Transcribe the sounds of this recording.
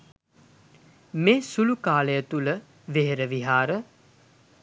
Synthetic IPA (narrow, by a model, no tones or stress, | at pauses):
meːsulukaːləjət̪ulə | ʋeɦeɾəʋiɦaːɾə